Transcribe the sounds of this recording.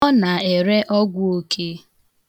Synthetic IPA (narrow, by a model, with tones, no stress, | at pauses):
ɔ˦na˨e˨ɾe˦ʔɔ˦ɡʷʊ˦o˦kʰe˦